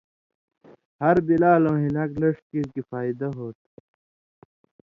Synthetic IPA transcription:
hɐɾbilaːlõːɦilɐklɐʂ̚kikifaːid̪ɐɦoːt̪

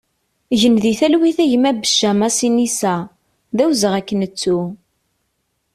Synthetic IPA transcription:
ʝənðiθælwiθæʝəmæbəʃːæmæsinisæ | ðæwzəʁækːənət͡sːu

